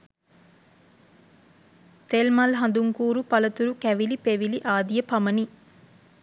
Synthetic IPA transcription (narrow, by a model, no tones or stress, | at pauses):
t̪elmɐlɦɐnd̪uŋkuːɾupɐlɐt̪uɾukæʋilipeʋiliʔaːd̪ijəpɐmɐni